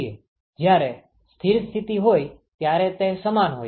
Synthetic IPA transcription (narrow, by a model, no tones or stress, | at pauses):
e | d͡ʒjaɾe | st̪ʰiɾst̪ʰit̪iɦojt̪jaɾɛt̪esəmanɦo̰